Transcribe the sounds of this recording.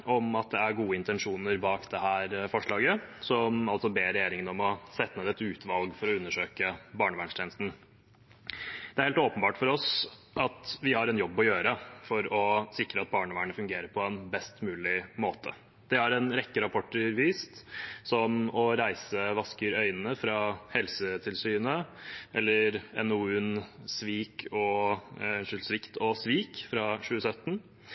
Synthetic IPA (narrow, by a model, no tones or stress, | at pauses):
ɔmɑt̪̚d̪ɛæɾɡuːəɪnt̪ɛnʂuːnəɾbɑːkd̪ɛɦæːɾfɔʂɭɑːɡəsɔmɑlsɔbeːɾɛjeːɾɪŋənɔmɔsɛt̪ːəəd̪ɛt̪ːʉːt̪ʰʋɑlɡfɔɾɔʉnːəʂøːkəbɑːɳəʋæːɳʂʈ̪ʰeːnəst̪n̩ | d̪̥ɛæɾhelt̪oːpənbɑːʈfɔɾɔs | ʔɑt̪ʋɪhɑɾɛnjɔbːɔjøːɾəfɔɾɔsɪkɾəɑt̪̚bɑːɳəʋæːəɳəfʉŋɡeːɾəɾpʰɔɛnbɛst̪mʉːlɪmoːt̪ʰə̰ | d̪̥ɛæɾɛnɾɛkːəɾɑpʰɔʈːəɾʋiːst̪sɔmɔɾæɪsəʋɑskəɾœʏnənəfɾɑhɛlsət̪ʰɪlsyːnəʔɛlːəɾɛ̰nʊʉːnsʋiːkʰɔ | ʂəlsʋɪkt̪ɔsʋiːkfɾɑɕʉːəsœt̪ːn̩